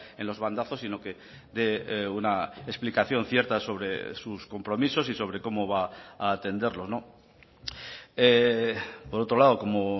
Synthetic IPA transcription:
ẽ̞nlo̞zβand̪aθo̞sino̞ke̞ | d̪e̞unaesplikaθjo̞n̟θje̞ɾt̪aso̞β̞ɾe̞̰susko̞mpɾo̞miso̞siso̞βɾe̞ko̞mo̞βaːt̪e̞nd̪e̞ɾlo̞zno̞ | e | po̞ɾo̞t̪ɾo̞laðo̞ko̞mo

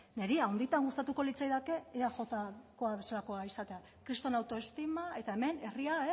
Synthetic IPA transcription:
ne̞ɾiawnd̪it̪aŋɡust̪at̪uko̞lit͡sajðake̞ːaʝo̞t̪ako̞aβe̞salako̞aisat̪e̞a | kɾist̪o̞nawt̪o̞est̪imae̞t̪ae̞me̞ne̞riae

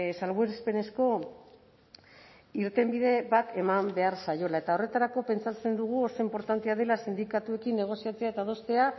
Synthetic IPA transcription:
salβueɾespe̞ne̞sko̞ | iɾt̪e̞mbiðe̞βat̪e̞mambe̞aɾsajo̞lae̞t̪ao̞re̞t̪aɾako̞pe̞nt͡sat͡se̞nd̪uɣ̞uo̞so̞impo̞ɾt̪ant̪e̞að̞e̞lasind̪ikat̪ue̞kinːe̞ɣ̞o̞siat͡seaet̪aðo̞st̪e̞a

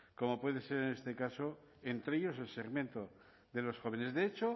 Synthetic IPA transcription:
ko̞mo̞pwe̞ðe̞se̞ɾene̞st̪ekaso | ent̪ɾeʎo̞se̞lseɣmjẽ̞nt̪o | ðe̞lo̞sxo̞β̞e̞ne̞zðe̞et͡ʃo

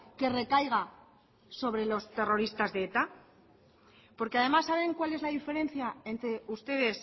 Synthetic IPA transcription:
ke̞re̞kajɣ̞a | so̞β̞ɾe̞lo̞st̪e̞ro̞ɾist̪azðe̞et̪a | po̞ɾkeaðe̞masːaβ̞e̞ŋkwale̞zlaðife̞ɾe̞nθjaent̪ɾe̞ust̪e̞ð̞e̞s

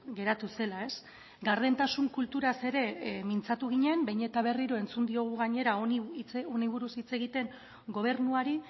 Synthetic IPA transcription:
ɡe̞ɾat̪use̞lae̞s | ɡaɾðent̪asuŋkult̪uɾase̞ɾe̞mint͡sat̪uɣ̞iɲe̞mbejɲet̪aβ̞e̞riɾoe̞nt͡sund̪io̞ɣ̞uɣaɲe̞ɾaonioniβ̞uɾusit͡se̞ɣ̞it̪e̞ŋ | ɡo̞β̞e̞ɾnuaɾi

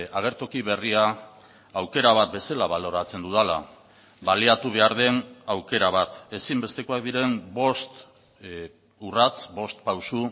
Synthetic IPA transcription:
aɣ̞e̞ɾt̪o̞kiβ̞e̞ria | awke̞ɾaβ̞at̪̚be̞salaβalo̞ɾat͡se̞nd̪uðala̰ | βaliat̪uβ̞e̞aɾð̞e̞nawke̞ɾaβ̞at̪e̞simbe̞st̪e̞ko̞akd̪iɾe̞mbo̞st̪ | urat͡sbo̞st̪pawsu

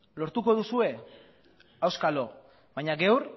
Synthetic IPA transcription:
lo̞ɾt̪uko̞ð̞usue̞ | awskalo̞ | βajɲaɡe̞wɾ

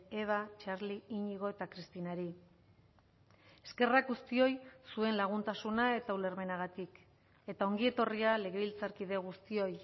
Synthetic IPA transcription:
e̞β̞at͡ʃaɾliiɲiɣ̞o̞e̞t̪akɾist̪inaɾi | e̞ske̞rakɣust̪io̞jsue̞nlaɣ̞unt̪asunae̞t̪aule̞ɾme̞naɣ̞at̪ik | e̞t̪ao̞ŋɡie̞t̪o̞riale̞ɣ̞e̞βilt͡saɾkið̞e̞ɣ̞ust̪io̞j

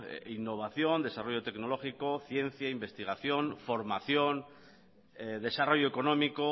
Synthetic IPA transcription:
inːo̞β̞aθjo̞nd̪esaro̞ʝo̞t̪e̞kno̞lo̞xiko̞θje̞n̟θjaimbe̞st̪iɣ̞aθjo̞nfo̞ɾmaθjo̞n | eðe̞saro̞ʝoeko̞no̞miko

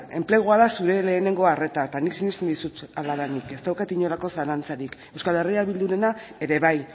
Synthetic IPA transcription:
e̞̰mple̞ɣ̞oaðasuɾe̞le̞ːne̞ŋɡo̞are̞t̪at̪aniksinist̪end̪isut̪alaðanike̞st̪awkat̪iɲo̞lako̞saɾant͡saɾike̞wskale̞riaβild̪uɾe̞nae̞ɾe̞βaj

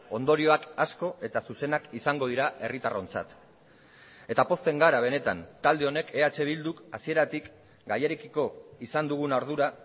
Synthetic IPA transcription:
o̞nd̪o̞ɾio̞akasko̞e̞t̪asuse̞nakisaŋɡo̞ðiɾae̞rit̪aro̞nt͡sa̰t̪ | e̞t̪apo̞st̪e̞ŋɡaɾaβ̞e̞ne̞t̪a̰nt̪ald̪e̞o̞ne̞ke̞at͡ʃe̞β̞ild̪ukasie̞ɾat̪ik | ɡajeɾekiko̞isand̪uɣ̞unawɾð̞uɾa

